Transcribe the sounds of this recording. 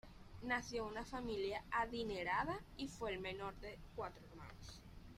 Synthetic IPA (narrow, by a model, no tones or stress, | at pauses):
naθjounafamiljaaðineɾaðaifweːlmẽnoɾðekwat̪ɾoeɾmã̰nos